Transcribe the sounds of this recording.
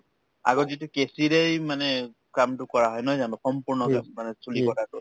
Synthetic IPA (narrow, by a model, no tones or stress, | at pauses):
a̰ɡɔzitukesiɹejmanɛ | kamtʊkɔɹaɦɔjnɔjzanɔ̃sɔmpuɹnɔka̰mːanɛsulikɔtatʊ